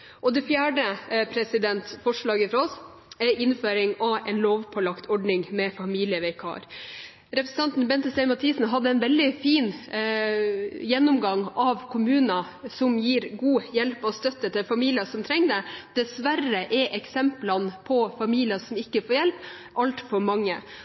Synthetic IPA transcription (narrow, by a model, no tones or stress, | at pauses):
ʔɔd̪ɛfjæːɖəpʰɾɛsɪd̪ɛnt̪fɔʂɭɑːɡəfɾɑɔs | ɛɾɪnføːɾɪŋɑɛɪnloːʋpʰɔlɑkt̪ʰɔɖnɪŋmɛfɑmiːlɪəʋɛɪkʰɑ̰ːɾ | ɾɛpɾsn̩t̪ʰɑnt̪nbɛnt̪əsɛɪmɑt̪ʰiːsn̩ɦɑd̪ːəɛɪnʋɛld̪ɪfiːn | jɛnːʊmɡɑŋːɑʋkʰʊmʉːnɑ | sɔmjiːɾɡuːjɛlpɔst̪œt̪ːət̪ʰɪlfɑmiːlɪɑsɔmt̪ʰɾɛŋnəd̪̥ɛsʋærəʔɛʔɛksɛmplɑnpʰɔfɑmiːlɪɑsɔmɪkːəfoːɾjɛlp | ʔɑlt̪fɔɾmɑŋːə